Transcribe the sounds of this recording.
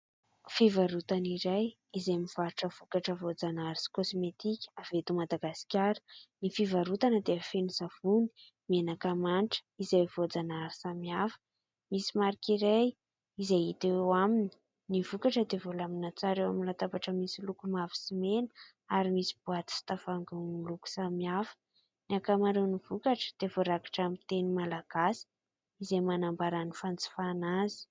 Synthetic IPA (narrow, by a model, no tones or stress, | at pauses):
fivaɾut̪aniɾaj | izeamiv̥aɾuʈ͡ʂəv̥ukaʈ͡ʂəvod͡zanaɾisi̥kosmet̪ikʲə̥avet̪umad̪aɡasi̥kʲaɾə̥nifivaɾut̪anəd̪eafenizav̥uni̥ | menakamanʈ͡ʂə̥izajv̥od͡zanaɾisamiafə̥ | misimaɾikiɾaj | izejit̪ewamini̥ | nivukaʈ͡ʂəd̪evolaminat͡saɾewaminlat̪abaʈ͡ʂəmisilukumavi̥simenə | aɾimisi̥buat̪i̥si̥t̪afaŋɡaniluku̥samiafə̥ | niakamaɾewnivukaʈ͡ʂə̥d̪̥evoɾaki̥ʈ͡ʂamint̪enimalaɡ̥asi̥ | izemanambaɾanifant͡si̥fanazi̥